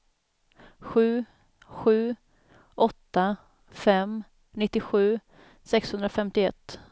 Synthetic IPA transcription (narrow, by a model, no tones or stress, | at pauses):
ɧʉ̟ː | ɧʉ̟ː | ʔɔt̪ːa | fɛm | nɪt̪ːɪɧʉ̟ː | sɛkshɵnd̪ɾafɛmt̪ɪɛt̪ː